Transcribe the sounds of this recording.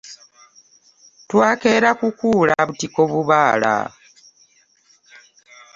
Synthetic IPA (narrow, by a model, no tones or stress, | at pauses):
twaːkeɾakukuːlaβutikoβuβaːla̰